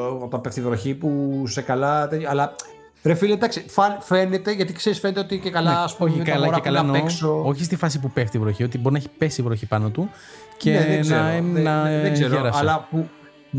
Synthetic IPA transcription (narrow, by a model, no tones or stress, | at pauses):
ot̪ɐpeft̪ivɾo̞çipusekɐlɐt̪ejoɐlɐ | ɾefiled̪ɐksifɐnfe̞net̪e̞ʝɐt̪ikseɾisfe̞net̪eot̪icekɐlɐɐspoçikɐlɐɾɐekɐlɐneksoo̞çist̪ifɐs̬ipupeft̪ivɾoçio̞t̪iboɾinɐeçi̥pesivɾoçipɐno̞t̪u | ceeðesnɐenɐseeɾɐsɐlɐpu